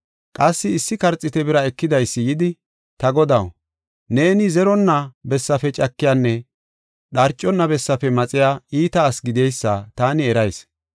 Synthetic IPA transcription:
kʼɐsːɪːsːɪkɐɾt͡sʼːɪt̪ɛbɪɾɐɛkːɪd̪ɐjsːɪjɪd̪ɪ | t̪ɐɡɔd̪ɐw | ne̞ːnɪzɛɾɔnːɐbɛsːɐfɛt͡ʃʼɐkːɪjanːɛ | ɗɐɾt͡ʃʼːɔnːɐbɛsːɐfɛmɐt͡sʼɪjaːiːt̪ɐːsɡɪd̪ɛjsːɐt̪aːnɪɛɾɐjs

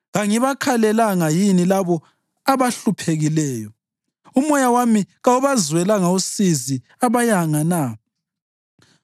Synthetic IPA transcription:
ɣaŋiβakʰalɛlaŋajinilaβɔ | aβaɬupʰeɣilɛːjɔ | umɔjawamiɣauβazwɛlaŋausizi | aβajaŋana

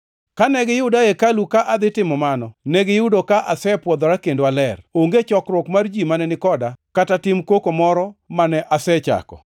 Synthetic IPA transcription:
kanɛɡɪjʊdajekalukaʔad̪ɪtɪmɔmanɔnɛɡɪjʊdokaʔasɛpwɔd̪ɔɾakendowalɛroŋɡet͡ʃɔkɾwɔkmard͡ʒimanɛnɪkɔdakatatɪmkokomɔɾɔmanɛʔasɛt͡ʃa̰kɔ̰

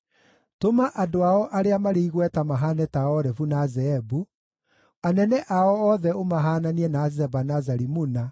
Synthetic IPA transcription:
tomaʔadoaɔʔaɾeamaɾeiɣwɛtamaɦaːnɛtaɔɾɛfunazɛɛbu | anɛnɛʔaɔɔðɛomaɦaːnaniɛnazɛbanazaɾimuna

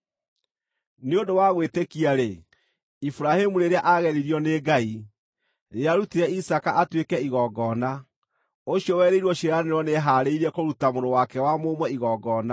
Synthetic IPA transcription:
neodowaɣwetekiaɾe | ifuɾahemuɾeɾeaʔaɣɛɾiɾiɔneɡai | ɾeaɾutiɾɛisakaʔatwekɛiɣɔɡɔna | oɕiɔwɛɾeiɾwɔɕeɾaneɾɔneɦaɾeiɾɛkoɾutamoɾowakɛwamomwɛiɣɔɡɔna

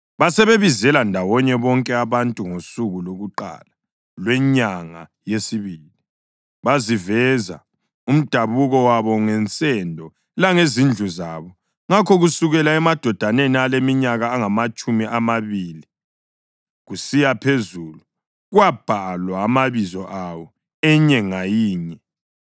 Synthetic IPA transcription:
βasɛβeβizɛlandʱawɔɲɛβɔŋkʼɛaβantʼuŋosuɣuloɣuǃa̰la | lwɛɲaŋa̰jesiβili | βazivɛza̰ | um̩d̥ʱaβuɣɔwaβɔŋɛnt͡sʼɛndʱɔ | laŋezind͡ɮʱuzaβɔ | ŋakʰɔɣusuɣɛlaɛmad̥ʱɔd̥ʱanenialemiɲaɣaːŋamat͡ʃʼumiʔamaβiːli | ɣusijapʰezulu | ɣwab̥ʱalwaːmaβizɔʔawɔ | ɛɲɛŋajiːɲɛ

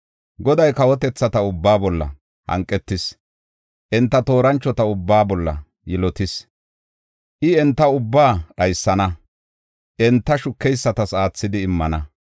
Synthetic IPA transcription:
ɡɔd̪ɐjkɐwɔt̪̬ɛt͡sːɐt̪ɐʊbːaːbɔlːɐ̰ | hɐ̰ŋkʼːɛt̪ːɪs | ʔɛnt̪ːɐt̪o̞ːɾɐnt͡ʃːɔt̪ɐʊbːaːbɔlːɐ̰ | jɛlɔt̪ɪs | ʔɪɛnt̪ːɐʊbːaːɗɐjsːɐnɐ | ʔɛnt̪ːɐʃʊkːɛjsːɐt̪ɐsaːt͡sːɪd̪ɪːmːɐnɐ

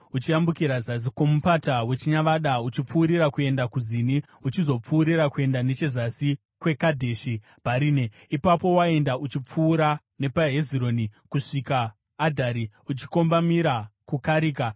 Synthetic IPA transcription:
ut͡ʃiambukiɾazasiko̞mupatawe̞t͡ʃiɲaʋaɗaut͡ʃip͡fuːɾiɾakue̞ndakuzini | ut͡ʃizo̞p͡fuːɾiɾakue̞ndane̞t͡ʃezasi | kwe̞kadʱe̞ːʃi | paɾiːne | ipapo̞wae̞ndaʔut͡ʃip͡fuːɾa | ne̞paɦe̞ziɾo̞nikuʂikaː | dʱaɾi | ut͡ʃi̥ko̞mbamiɾakukaɾiːka

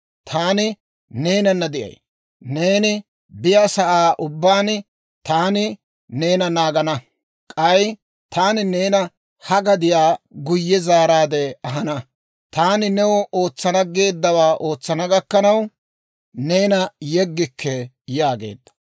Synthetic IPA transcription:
t̪ʰaːnɪ | ne̞ːnɐnːɐd̪ɪʔɐ̰j | ne̞ːnɪ | bɪjaːsɐʔaːʔʊbːaːn | t̪aːnɪ | ne̞ːnɐnaːɡɐnɐ | kʼɐj | t̪aːnɪneːnɐ | hɐɡɐd̪ɪjaːɡʊjːɛzaːɾaːd̪ɛɐɦɐnɐ | t̪aːnɪnɛwɔʔo̞ːt͡sːɐnɐɡe̞ːd̪ːɐwaːʔo̞ːt͡sːɐnɐɡɐkːɐnɐw | ne̞ːnɐjɛɡːɪkʰːɛ | jaːɡe̞̰ːd̪ːɐ̥

